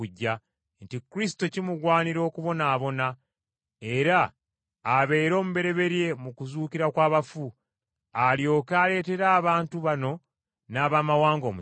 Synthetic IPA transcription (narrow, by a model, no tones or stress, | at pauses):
uɟːa | ntikɾisi̥to̞cimuɡwaːniɾo̞ːkuβo̞naːβo̞na | e̞ɾaː | βe̞ːɾo̞ːmuβe̞ɾe̞βe̞ɾje̞mukuzuːkiɾakwaːβafu | aljo̞ːkaːle̞ːte̞ɾaːβaːntuβano̞ | naːβaːmawaːŋɡo̞ːmu